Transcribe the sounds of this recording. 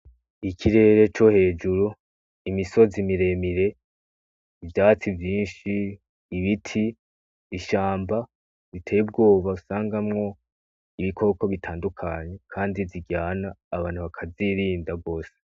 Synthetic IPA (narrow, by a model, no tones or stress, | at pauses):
ikʰiɾe̞ɾe̞t͡ʃo̞he̞ːd͡ʒuɾu | imiso̞zimiɾe̞miɾe̞ | ivjaːt͡sivjiːnʃiː | βitʰiː | ʃaːmba | zitʰe̞ːjeb̚ɡo̞ːβausaːŋɡamŋo̞ | iβikʰo̞ko̞βitʰaːndukʰaɲe̞kʰaːndiziɡaːnaːβaːn̥huβakʰaziɾiːndaɡo̞ːse̥